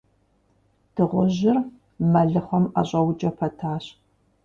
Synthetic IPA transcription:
d̥ʰɨʁʷʊʑɪr | mɐɮɨχʷɔma̰ɕʼɐwd͡ʒɐpʰɐtʰaːɕ

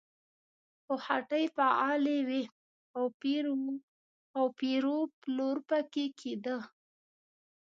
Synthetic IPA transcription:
xohaʈəjpaɑlewe | awpiɾ | awpiɾoploɾpəkekʰed̪ə

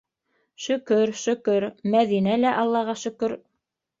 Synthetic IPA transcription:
ʃɵ̆kɵɾʃɵ̆kɵɾmæðinælæʔɑlˠːɑʁɑʃɵ̆kɵɾ

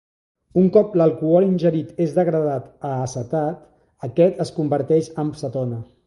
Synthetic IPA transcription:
uŋkɔpləlˠkuɔɾinʲʒəɾit̪ezðəɣɾəð̞at̪əːsət̪at̪ | əkɛt̪əskumbəɾt̪ɛʃəmsət̪ɔnə

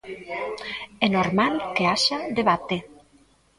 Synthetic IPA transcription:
enoɾmalkeaʃad̪eβat̪e

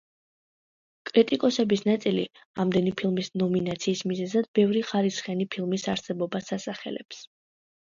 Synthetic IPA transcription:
kʼɾit̪ʼikʼɔsɛbisnat̪sʼili | amd̪ɛnipʰilˠmisnɔminat̪sʰiːsmizɛzad̪̚bɛvɾiχaɾisχjanipʰilˠmisaɾsɛbɔbasasaχɛ̰lɛ̰ps

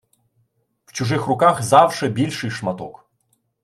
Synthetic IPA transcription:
w̥t͡ʃuʐɨxrʊkaxzawʂɛbʲilʲʂɨjʂmat̪ɔ̰k

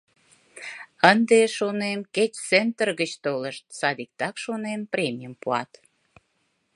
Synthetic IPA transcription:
ənd̪eʃonemket͡ɕt͡sent̪ərɣət͡ɕt̪oləʃt̪sɑd̪ik̚t̪ɑkʃonempɾʲemʲijəmpuɑ̰t̪

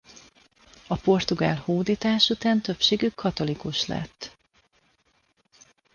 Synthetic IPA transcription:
ɒpo̞rt̪uɡa̰ːlhoːd̪iːt̪aːʃut̪aːnt̪ø̞pʃeːɡykʰːɒt̪o̞likuʃlɛ̰t̪ː

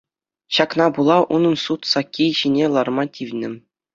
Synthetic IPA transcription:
ɕɑknɑbulˠɑʔunɤ̆nsut̪sɑkʲːejʑinʲelˠɑrmɑtʲiʋʲnʲɘ̆

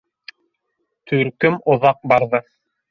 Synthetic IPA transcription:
t̪ʰʉɾkɵmŏðɑq̚bɑɾðɤ

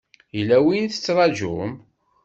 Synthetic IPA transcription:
jəlæwinθə̥t͡sːɾˤɑʒṵm

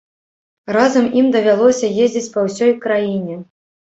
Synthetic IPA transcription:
razɐmʔimd̪ɐvʲalˠɔsʲɐjezʲd͡zʲit͡sʲpɐwsʲɔjkɾajinʲɛ

